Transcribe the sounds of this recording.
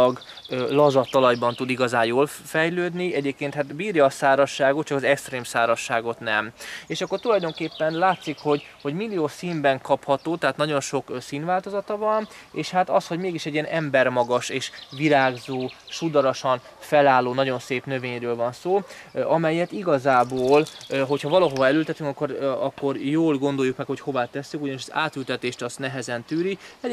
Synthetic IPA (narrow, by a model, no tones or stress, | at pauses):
ɒɡ | ølɒzɒt̪ːɒlɒjbɒnt̪ud̪iɡɒzaːnjoːl | fɛjløːd̪niɛɟeːp̚keːnt̪haːt̪biːrjɒːsaːɾɒʃːaːɡot̪t͡ʃɒkɒzɛkst̪reːmsaːɾɒʃːaːɡo̞t̪nɛmeːʃɒkːo̞rt̪ulɒjd̪o̞ŋkeːpːɛnlaːt̪sikho̞ɟho̞ɟmilːijoːsiːmbɛŋkɒphɒt̪oːt̪ɛɦaːt̪nɒɟo̞nʃo̞ksiːnvaːlt̪o̞zɒt̪ɒvɒn | eːʃhat̪ɒsho̞ɟmeːɡiʃɛɟːiɛnʔɛmbɛrmɒɡɒʃeːʃʋiɾaːɡzoːʃud̪ɒɾoʃɒn | fɛlaːlːoːnɒɟo̞nseːpnø̞veːɲrøːlvɒnsoː | ɒmɛjːɛt̪iɡɒzaːboːlɦo̞chɒvɒlɒɦovɒɛlylt̪ɛt̪yŋkɒkːoɾɒkːo̞rjoːlɡo̞nd̪o̞jːukmɛkho̞cho̞vaːt̪ɛsːykuɟɒniʃɛza̰ːt̪ylt̪ɛt̪eːʃt̪ɒst̪nɛɦɛzɛnt̪yːɾiɛ